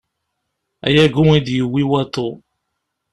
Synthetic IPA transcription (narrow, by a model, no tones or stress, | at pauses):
a̰jɛɡʊwẽdiwiwatʊ